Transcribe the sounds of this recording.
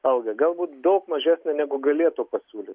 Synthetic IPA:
ɐʊɡʲɐɡɐlˠbuːt̪d̪ɐʊkmɐʒʲæːsʲnʲenʲæɡʊɡɐlʲiɛt̪uːpɐsʲuːlʲɪt̪

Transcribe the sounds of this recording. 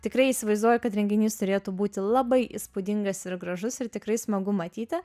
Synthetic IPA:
t̪ʲɪkɾɐɪiːsʲɪʋɐɪzd̪uɔjɛkɐt̪ɾʲɛŋʲɡʲɪnʲiːst̪ʊɾʲeːt̪uːbuːt̪ʲɪlˠɑbɐɪʔḭspʊd̪ʲɪŋɡɐsɪɾɡɾɐʒʊsɪɾt̪ʲɪkɾɐɪsmɐɡʊmɐt̪ʲiːt̪ʲɪ

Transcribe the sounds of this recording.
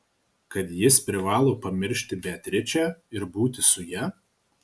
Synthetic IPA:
kɐt̪jɪspʲɾʲɪʋɑːlˠoːpɐmʲɪɾʲʃʲt̪ʲɪbʲɛt̪ʲɾʲɪt͡ʃʲæːɪɾbuːt̪ʲɪsʊjɛ

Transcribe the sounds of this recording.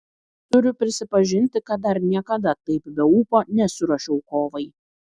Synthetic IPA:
t̪ʊɾʲʊpʲɾʲɪsʲɪpɐʒʲɪnʲt̪ʲɪkɐt̪̚d̪ɐɾnʲiɛkɐd̪ɐt̪ɐɪpbʲɛuːpoːnʲɛsʲʊɾɐʃʲɛʊkoːʋɐɪ

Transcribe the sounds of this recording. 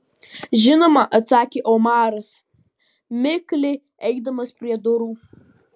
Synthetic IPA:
ʒɪnomaʔat͡saːkʲiʔomaːɾas | mɪklɪ | ejkdamɐspriadoɾu

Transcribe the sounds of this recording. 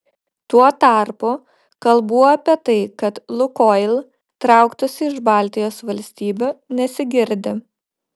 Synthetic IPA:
t̪uɔt̪ɑˑɾpʊ | kɐlˠbuːoɐpʲiɛt̪ɐɪkɐt̪lˠʊkɔːlʲˠ | t̪ɾɑˑʊkt̪ʊsʲɪɪʒbɑːˑlʲt̪ʲɪjoːsʋɐlʲsʲt̪ʲiːbʲunʲɛsʲɪɡʲɪɾʲd̪ʲɪ

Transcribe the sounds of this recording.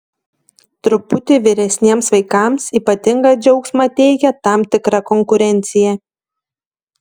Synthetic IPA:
t̪ɾʊpʊt̪ʲɪʋʲɪɾʲɛsʲnʲiɛmsʋɐɪkɑˑmsiːˑpɐt̪ʲɪŋɡɑd͡ʒʲɛʊksʲmɑːt̪ʲɛɪkʲɛt̪ɑˑmt̪ʲɪkɾɑkɔŋkʊɾʲɛnʲˑt̪sʲɪjɛ

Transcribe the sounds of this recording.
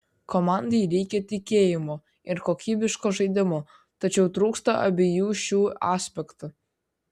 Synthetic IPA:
komɑnd̪ijɾʲɛjkʲet̪ʲikʲejɪmo | ɪrkokʲibʲɪʃkoʒɨjd̪ʲɪmo | t̪ɐt͡ɕɛwt̪ɾuːkst̪ɐʔɐ̰bʲɪjuːʃuːɑsʲpʲekt̪u

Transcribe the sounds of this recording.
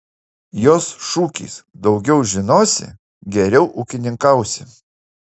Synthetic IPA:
joːsʃuːkʲḭːsd̪ɒʊɡʲɛʊʒʲɪnoːsʲɪ̰ | ɡʲɛɾʲɛʊʔʊkʲɪnʲɪŋkɐˑʊsʲɪ

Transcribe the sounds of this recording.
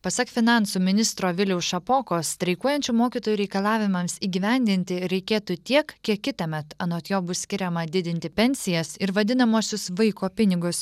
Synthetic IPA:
pɐsɐkfʲɪnɑˑnsuːmʲɪnʲɪst̪ɾoːʋʲɪlʲɛʊsʃɐpoːkoːst̪ʲɾʲɐɪkuɔjɛnʲt͡ʃʲuːmoːkʲiːt̪oːjuɾʲɛɪkɐlˠɑːʋʲɪmɐmsiːɡʲiːʋʲɛnʲd̪ʲɪnʲt̪ʲɪɾʲɛɪkʲeːt̪uːt̪ʲiɛkkʲiɛkʲːɪt̪ɐmʲɛt̪ɐnoːt̪joːbʊssʲkʲɪɾʲɛmɐd̪ʲɪd̪ʲɪnʲt̪ʲɪpʲɛnʲsʲɪjɛsɪɾʋɐd̪ʲɪnɐmuːsʲʊsʋɐɪkoːpʲɪnʲɪɡʊs

